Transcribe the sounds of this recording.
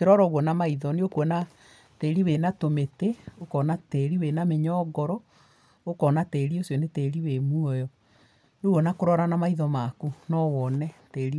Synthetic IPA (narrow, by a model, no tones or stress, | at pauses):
keɾɔɾɔɣwɔnamaiðɔneokwɔna | teːɾiwenatometeokɔnateːɾiwenameɲɔːɡɔɾɔ | okɔnateːɾiosjɔneteːɾiwemuɔjɔ | noɣwɔnakoɾɔɾanamaiðɔmakunɔwɔnɛteːɾi